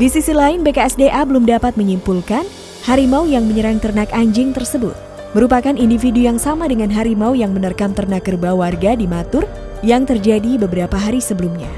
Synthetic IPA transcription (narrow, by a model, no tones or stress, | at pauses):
disisilaɪnbekaɛsdeʔabəlumdapat̪̚məɲimpulkan | haɾimaujaŋməɲəɾaŋt̪ərnakaɲd͡ʒɪŋt̪ərsəbʊ̰t̪̚ | məɾupakanindifidujaŋsamadəŋanɦaɾimaujaŋmənərkamt̪ərnakːərbawarɡadimat̪ʊr | jaŋt̪ərd͡ʒadibəbəɾapaɦaɾisəbəlumɲa